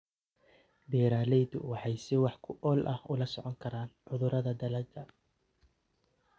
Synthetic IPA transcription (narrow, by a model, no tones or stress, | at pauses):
bɛːɾaːlɛjd̪ʊ̰wɑħɑjsɪwɑħkʰʊʔɔːlʔɐhʊlɐsɔʕɔŋkʰɐɾaːnʕʊðʊɾɐðɐd̪ɐlɐɡɐ